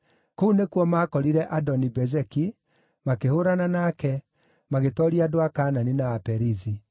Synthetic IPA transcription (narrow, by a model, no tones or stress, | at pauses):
kounekwɔmakɔɾiɾɛʔadɔnibɛzɛki | makehoɾananaːkɛ | maɣetɔɾiadoakaːnaninaːpɛɾizi